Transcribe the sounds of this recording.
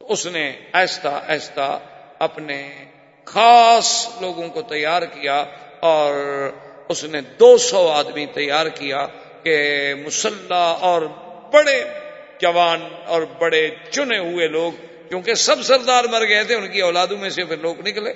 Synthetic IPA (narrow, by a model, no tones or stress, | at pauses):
ʊsneɛːst̪aʔɛːst̪a̰əpne | xaːsloːɡõkot̪əjːaːɾkijaɔːɾʊsned̪oːsɔːaːd̪mit̪ɐjaːɾkijaː | kemʊsəlːaɔːɾbəɽe | d͡ʒəʋaːnɔːɾbəɽet͡ʃʊneɦʊeloːɡ | kjõːkesəbsəɾd̪aːɾməɾɡəet̪ʰeʊnkiɔːlaːd̪õmẽsepʰɪɾloːɡnɪkleː